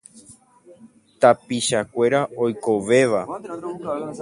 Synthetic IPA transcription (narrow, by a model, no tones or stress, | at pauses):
t̪apiʃakʷe̞ɾaojko̞ʋe̞ʋa